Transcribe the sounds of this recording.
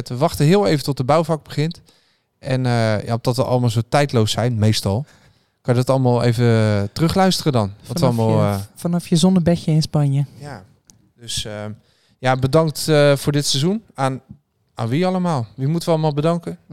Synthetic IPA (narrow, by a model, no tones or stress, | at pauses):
ɛtʋəʋɑχtəɦɪəlˠejvəntɔt̚dəbœwvɑɡ̚bəχɪnt | ʔɛnəja̰ɔm̚dɑtʋəʔɑ̰lˠəmaːlˠzowtɛjtlowsɛjnmejstɑlˠ | kɑnjədɑtɑlˠəmaːlˠḛjvətərɵχlœɥstərədɑnɔɔlmalˠfnɑfjəzɔnəbɛcəɪnspɑnjəja | døsə | jabədɑŋk̚tv̥ʊːɹdɪtsəzunaːn | aːnʋiɑlˠəmaːlˠʋimutəʋəɑlˠəmaːlˠbədɑŋkə